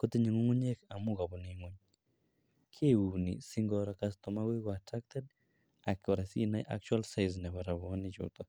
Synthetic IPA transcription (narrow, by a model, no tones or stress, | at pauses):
kot̪eɲiŋoŋuɲekamuɡabɔneŋuɲ | kʰeunḭsiŋɡɔɾakast̪ɔmaɡekɔatɾak̚t̪ɛd | akɔɾasinaʔa̰k̚t͡ʃwalsajznɛβaɾaβɔnɪt͡ʃʊ̰t̪ɔ